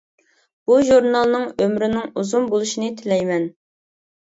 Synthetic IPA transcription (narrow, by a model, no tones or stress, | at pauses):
b̥uʒuɾnɑlˠnɨŋømɾɪnɪŋuzumbolˠuʃinɨt̪ʰɪlɛjmɛn